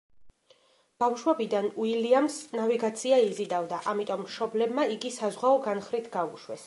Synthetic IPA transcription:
b̥afʃwɛbid̪anuiliamsnaviɡat̪sʰiaizid̪avd̪aʔamit̪ʼɔmːʃɔblɛbmaiɡisazʁwaɔɡanχɾit̪ʰɡauʃwɛ̰s

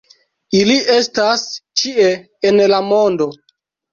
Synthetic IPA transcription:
iliʔe̞stast͡ʃie | enlamo̞ndo̞

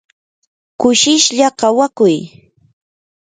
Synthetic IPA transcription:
kʊʃɪʃʎakawakʊj

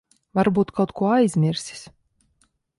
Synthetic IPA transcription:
vaɾbuːt̪kʰawt̪kuɔajzʲmʲiɾsi̥s

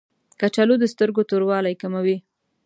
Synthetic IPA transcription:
kat͡ʃalod̪əst̪əɾɡot̪oɾwɑlajkamawi

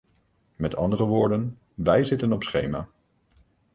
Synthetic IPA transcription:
mɛtʰɑndərəʋʊːɹdən | ʋɛjzɪtənɔpsχejma̰ː

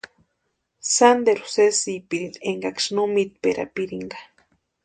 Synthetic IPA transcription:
sand̪eɾu̥sesipiɾineŋɡakʂnomit̪̚peɾa̰piɾiŋɡḁ

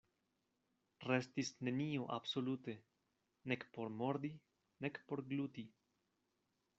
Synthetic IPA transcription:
rest̪isne̞nioʔa̰bsolut̪e̞ | nekpo̞ɾmo̞ɾd̪i | nekpo̞ɾɡlut̪i

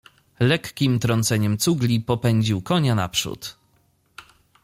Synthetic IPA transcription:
lɛkːʲimt̪ɾɔnt̪sɛɲɛmt̪suɡlʲipɔpɛɲd͡ʑiwkɔɲana̰pʂṵt̪

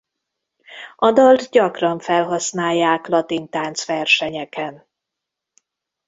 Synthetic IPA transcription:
ʔɒd̪ɒld̪ɟɒkrɒɱfɛlɦɒsnaːjːaːklɒt̪int̪aːnt̪sʋɛrʃɛɲɛkɛn

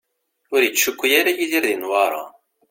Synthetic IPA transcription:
ʊɾjət͡sːʃukʷːjaɾajiðiɾðinwɑɾˤɑ̰

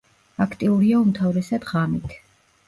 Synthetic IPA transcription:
akʰt̪ʼiuɾiaumt̪ʰavɾɛsad̪̥ʁamit̪ʰ

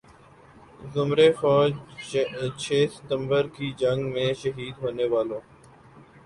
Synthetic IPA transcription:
zʊmɾeːfɔːd͡ʒ | t͡ʃʰeːsɪ̥t̪ə̃mbəɾkiːd͡ʒəŋɡmẽːʃəɦiːd̪ɦoːneːʋaːloː

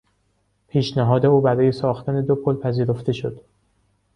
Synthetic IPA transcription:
pʰiːʃnæɦɒːd̪e̞uːbæɾɒːje̞sɒːxt̪ʰæne̞d̪opʰolpʰæziːɾo̞ft̪e̞ʃo̞d̪̥

